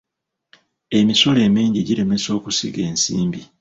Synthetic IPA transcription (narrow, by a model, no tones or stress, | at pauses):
e̞miso̞le̞ːmiːɲɟiɟiɾe̞me̞so̞ːkusḭɡe̞ːnsḭːmbi